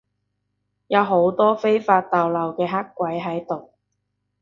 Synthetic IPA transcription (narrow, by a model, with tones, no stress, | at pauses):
jɐ˨˧wɦo˨˥wt̪ɔː˥fe˥jfaː˧t̚t̪aː˨wlɐ˨wkɛː˧ɦa˥kːʷɐ˨˥jɦɐ˨˥jt̪o˨w